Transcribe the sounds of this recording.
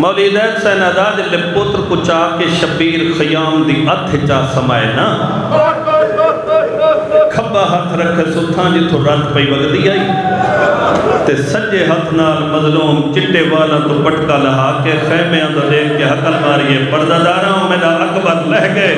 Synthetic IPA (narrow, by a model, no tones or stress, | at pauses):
mɐːliːd̪ɛːt̪sɛːnaːd̪aːd͡ʒɪlːepʊt̪ɾkʊt͡ʃaːkeʃɐpiːɾxʰɐjaːmd̪iːʔɐt̪ʰet͡ʃaːsɐmaːḛːnaː | kʰɐbãːɦɐt̪ʰɾɐkʰeːsʊt̪ʰːãːd͡ʒɪt̪ʰːoɾɐ̃t̪pəiːʋəɡt̪iaːiː | t̪esɐd͡ʒeːɦɐt̪ʰnaːlmɐzluːmt͡ʃɪʈːeːʋaːlãːd̪ʊpəʈkaːlɐɦaːkexɛːmeãːd̪oːd̪eːkʰkeɦɐkəlmaːɾiːeːpɐɾd̪aːd̪aːɾãːõːmẽːd̪aːɐkbəɾlɛɦke